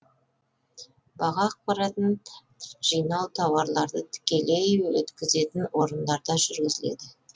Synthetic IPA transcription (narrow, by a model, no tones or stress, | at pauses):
bɑʁɑːq̚pɑɾɑt̪ən | ʒ̥ijnɑwt̪ʰɑwɑɾlˠɑɾd̪ət̪ʰɪ̥kʲe̞le̞jwɵ̰t̪kʲɪze̞t̪ɪnwo̞ɾənd̪ɑɾd̪ɑʒʏɾɡʲɪzɪle̞̰d̪ɪ